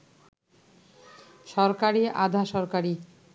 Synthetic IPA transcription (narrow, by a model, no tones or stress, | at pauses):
ʃɔɾkaɾiʔa̰d̪ʱaʃɔɾkaɾi